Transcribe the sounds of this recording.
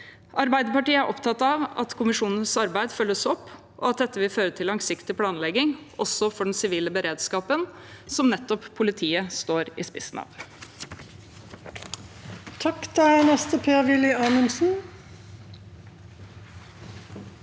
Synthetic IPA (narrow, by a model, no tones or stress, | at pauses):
ʔɑɾbæɪd̪əpɑʈiːəæɾʔɔpt̪ʰɑt̪ːɑːʋɑ̰t̪kʰʊmɪʂuːnən̩sɑɾbæɪd̪fœlːəsɔpː | ʔɔɑt̪̚d̪ɛt̪ːəʋɪlføːɾət̪ʰɪlːɑŋsɪkt̪ɪpʰlɑːnlɛɡɪŋ | ɔsɔfɔɖɛn̩sɪʋiːləbəɾeːd̪skɑːpən | sɔmnɛt̪ːɔpʰːʊlɪt̪ʰiːəst̪oːɾɪ̰spɪ̰snɑ̰ːʋ | t̪ʰɑkt̪æɪnɛst̪əpʰeːʋɪlɪɑːnəmsn̩